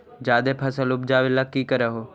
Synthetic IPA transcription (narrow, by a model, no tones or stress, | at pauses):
d͡ʒaːd̪eːpʰəsəlʊbd͡ʒaːʋɪlakːiːkəɾeɦoː